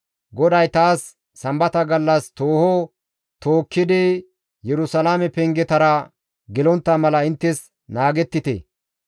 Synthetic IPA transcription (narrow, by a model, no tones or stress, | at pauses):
ɡɔd̪ɐjt̪aːsː | ɐmbɐt̪ɐɡɐlːɐst̪oːhɔ | t̪oːkːɪd̪ɪ | jɛɾʊsɐlaːmɛpɛŋɡɛt̪ɐɾɐ | ɡɪlɔnt̪ːɐmɐlɐɪnt̪ːɛs | naːɡɛt̪ːɪt̪ɛ̰